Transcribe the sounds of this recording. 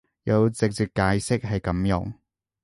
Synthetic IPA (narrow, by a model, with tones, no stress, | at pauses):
jɐ˨˧wt͡sɪ˨k̚t͡siː˨k̚kːaː˨˥jsɪ˥k̚ɦɐ˨jkɐ˨˥mjʊ̰˨˧ŋ